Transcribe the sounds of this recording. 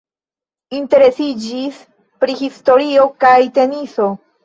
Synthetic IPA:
inte̞ɾe̞sid͡ʒis | pɾihisto̞ɾio̞kajte̞niso̞

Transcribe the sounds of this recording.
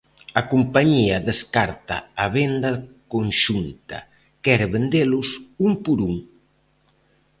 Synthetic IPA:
akumpaɲiadeskaɾt̪a̰aβend̪akoŋʃunt̪a̰ | kɛɾβend̪elusumpuɾuŋ

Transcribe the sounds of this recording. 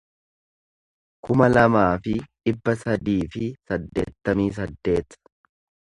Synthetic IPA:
kʊmɐlɐmaːfɪᶑɪbːɐsɐd̪iːfɪsɐd̪ːe̞̰ːt̪ːɐmiːs̬ɐd̪ːe̞ːt̪

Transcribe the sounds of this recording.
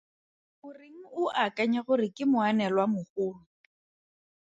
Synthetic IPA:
ʊrɪŋ̩ʊʔakʼaɲaχʊrɪkʼɪmʊanɛlwamʊχʊːʊ

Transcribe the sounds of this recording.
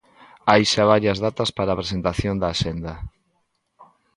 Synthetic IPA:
ajʃaβ̞aɾjɐzðat̪aspaɾaːpɾesent̪aθjond̪aːʃend̪ɐ

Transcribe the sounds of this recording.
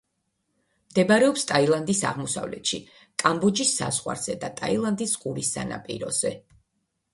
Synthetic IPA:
md̪ɛbaɾɛɔpst̪ʼailˠand̪isa̰ʁmɔsa̰vlɛ̰t̪ʃi | kʼambɔd͡ʒisːa̰zʁwa̰ɾz̥ɛd̪at̪ʼailˠand̪isɡʼuɾisːa̰na̰pʼḭɾɔz̥ɛ

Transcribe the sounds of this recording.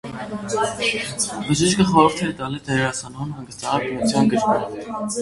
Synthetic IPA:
bəʒiʃkəχɔɾəɾt̪ʰɛt̪ɑlit̪ʰɛɾɾɑsɑnɔunhɑŋɡəst̪ɑɦɑbinut͡sʰjɑnɡəɾkɑv

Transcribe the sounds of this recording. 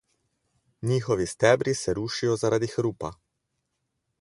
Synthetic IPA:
ɲiːxɔʋist̪ɛːbɾisɛɾuːʃijɔzaɾad̪ixɾuːpa

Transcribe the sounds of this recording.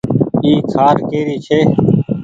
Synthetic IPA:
iːkʰaːɾkeːɾiːt͡ʃʰeː

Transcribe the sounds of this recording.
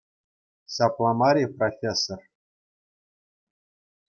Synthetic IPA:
sɑplˠɑmɑɾʲiprofʲesːor

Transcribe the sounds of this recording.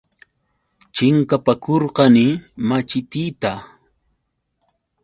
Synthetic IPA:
t͡ʃɪŋkapakoɾqɑnɪmat͡ʃɪt̪it̪a

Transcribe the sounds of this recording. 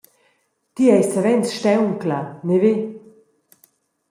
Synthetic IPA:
t̪iɛjsavɛnsʃtɛwŋklaneve

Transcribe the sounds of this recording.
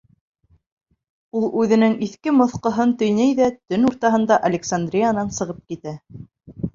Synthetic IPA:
ulˠʉðɘ̆nɘŋiθkɘmŏθqɤ̆ɦɤnt̪ɵ̆jnæjðæt̪ɵnuɾt̪ɑɦɤ̆nd̪ɑʔɐlʲɪksand̪rʲijanɑnsɤ̆ʁɤp̚kit̪æ

